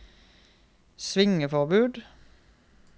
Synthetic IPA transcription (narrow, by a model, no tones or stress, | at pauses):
sʋɪŋəfɔʁbʉːd̪